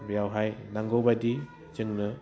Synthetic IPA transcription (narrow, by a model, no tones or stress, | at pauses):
bjawɦajnaŋɡobadi | t͡ʃɯŋnɯ